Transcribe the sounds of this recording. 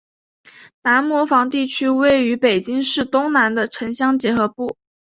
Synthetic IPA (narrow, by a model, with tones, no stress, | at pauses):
na˧˥nmwɔ˧˥fɑ˧˥ŋt̪i˥˩t͡ɕʰy˥we˥˩ɪy˧˥pe˨˩ɪt͡ɕi˥ŋʂɻ̩˥˩t̪ʊ˥ŋna˧˥nd̪ə˧ʈ͡ʂʰə˧˥ŋɕjɑ˥ŋt͡ɕjɛ˧˥xɤ˧˥pu˥˩